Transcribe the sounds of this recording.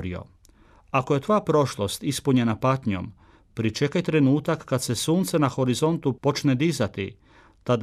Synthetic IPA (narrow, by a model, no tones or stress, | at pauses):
ɾḭo̰ | akoje̞t̪ʋojapɾo̞ʃlˠo̞st̪ispuɲe̞napat̪ɲo̞̰m | pɾit͡ʃe̞kajt̪ɾe̞nuːt̪akːad̪se̞suːnt̪se̞naxo̞ɾizo̞nt̪upo̞t͡ʃned̪izat̪ḭ | t̪ad̪